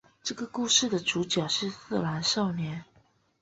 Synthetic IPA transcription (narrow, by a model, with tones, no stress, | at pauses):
ʈ͡ʂɤ˥˩ɡə˩ku˥˧ʂɻ̩˥˩d̪ə˩ʈ͡ʂu˧˥t͡ɕjɑ˨˩ʊʂɻ̩˥˧sɹ̩˥˩la˧˥nʂɑ˥˩ʊnjɛ˧˥n